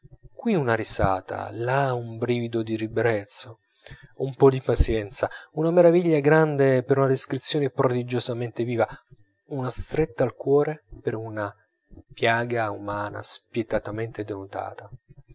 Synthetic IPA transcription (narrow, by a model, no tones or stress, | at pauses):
kwiunariza̰ːt̪a̰laumbɾiːvid̪od̪iɾibɾɛt̪sːo | umpɔd̪ipat̪sjɛnt̪saunameɾaviʎːaɡɾand̪epeɾunad̪eskɾit̪sːjoːnepɾod̪id͡ʒozament̪eviːva | unast̪ɾet̪ːaːlkwɔːɾepeɾuna | pjaːɡaumaːna̰spjet̪at̪ament̪ed̪enut̪a̰ːt̪a